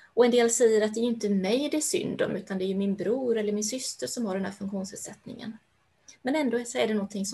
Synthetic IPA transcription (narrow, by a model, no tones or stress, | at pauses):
ɔɛnd̪eːlsɛjːəɾat̪̚d̪ɛæɾjɵʏnt̪əmɛjd̪ɛʂʏ̰nd̪ɔ̰mʔʉ̟ːt̪and̪ɛːjɵmɪnbɾuːɾɛlːəɾmɪnsʏst̪əɾʂɔmhaɖɛnɦ̪æ̰ːɾfɵŋkɧuːnshɛd̪sɛt̪nɪ̰ŋə̰n | mɛnɛnd̪oːɛsæɖɛnɔɡnt̪ʰɪŋs